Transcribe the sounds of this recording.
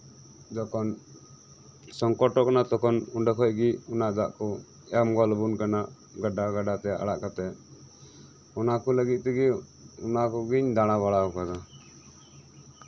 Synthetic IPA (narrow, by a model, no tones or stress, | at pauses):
d͡ʒɔkɔn | sɔŋkɔʈɔkanat̪ɔkɔnuɳɖəkʰɔj̚ɡiunaʔd͡ʒaʔkɔ | ɛmɡɔlbunkanaʔ | ɡaɖaɡaɖat̪ɛʔa̰ɽaʔkat̪ɛ | ɔnakɔləɡit̪̚ˀt̪ɛɡi | ɔnakɔɡiɲd̪aɽ̃aβaɽaɔkaɡa